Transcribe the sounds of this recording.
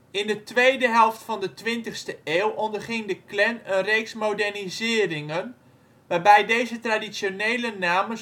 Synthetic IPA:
ɪndətʋejdəɦɛlˠftfɔndətʋɪntəxstəeːlˠʔɔndərχɪŋdəklɛnənreːksmodɛrnizɪːrɪŋən | ʋaːrbɛjdejzətradisjoneːlənaːmə

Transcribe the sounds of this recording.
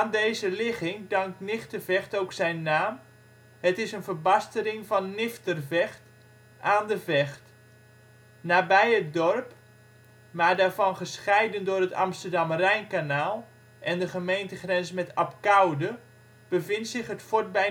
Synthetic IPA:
andeːzəlɪχɪŋdɑŋk̚tnɪxtərvɛxtoːwksɛjnːaːm | hətɪsənvərbastəɾɪŋvɑnːɪftərvɛxt | aːndəvɛxt | naːbɛjət̚dɔrp | maːdaːɹvɑnχəsχɛjdəndʊːrətɑ̰mstərdɑmrɛjnkanaːlˠ | ʔɛndəχəmejntəχrɛnsmɛtap̚kawdə | b̥əvɪntsɪχɦətfot̚bɛ

